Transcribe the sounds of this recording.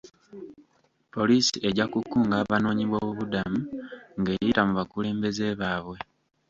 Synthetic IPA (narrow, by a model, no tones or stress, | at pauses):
po̞liːsiʔe̞ɟakukːuːŋɡaːβano̞ːɲiβwoːβuβudamuŋɡe̞jitamuβakule̞ːmbe̞ze̞βaːβwe̞